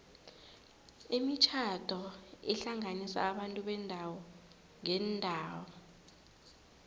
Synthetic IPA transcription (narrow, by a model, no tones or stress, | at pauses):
imit͡ʃʰatɔḭɬaŋanisa̰ːɓantʼuɓɛndʱawɔ | ŋɛndʱaːwɔ